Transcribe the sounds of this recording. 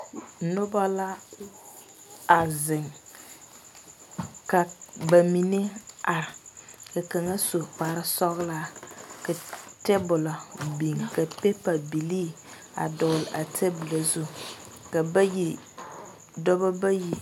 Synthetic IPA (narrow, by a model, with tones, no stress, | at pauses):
nʊ˦ba˦la˦ | a˨zɪ˨ŋ | ka˨ba˨mi˨ne˦a˨ɾɪ˨ka˨ka˨ŋa˦so˨k͡pa˨ɾɪ˦sɔ˦ɣla˦ka˨tɛ˦bʊ˨la˨bi˨ŋ˨ka˨pe˦pa˨bi˨liː˦ | a̰˨dɔ˨lʔa˨tʰe˦bʊ˨la˨zu˦ | ka˨˦ji˦ | dɔ˦ba˦ba˦ji˨